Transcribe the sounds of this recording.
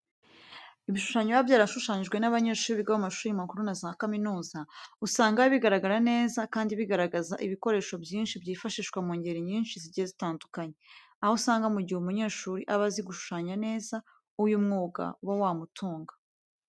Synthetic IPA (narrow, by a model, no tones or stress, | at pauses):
iβiʃu̥ʃaɲoβabjaːɾaʃuʃaːɲiʒɡwe̞naβaɲe̞ːʃuːɾiβiɡaβamaʃuːɾimakuɾunazakaminuːzausaːŋɡaβiɡaɾaɡaɾane̞ːzakaːndiβiɡaɾaɡazaʔiβiko̞ɾe̞ːʃo̞bjiːnʃibjiːfaʃiːʃkwamuːɲɟeɾeɲiːnʃiziɟiezitaːndukaɲe̞ | ahousaːŋɡamuɟiheumuɲe̞ːʃuːɾiʔaβaziɡuʃu̥ʃaːɲane̞ːza | ujumŋuːɡa̰wawaːmutʰuːŋɡḁ